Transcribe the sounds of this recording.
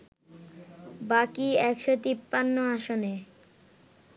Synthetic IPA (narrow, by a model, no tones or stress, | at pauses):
bakiɛkʃot̪ipːanːoaʃone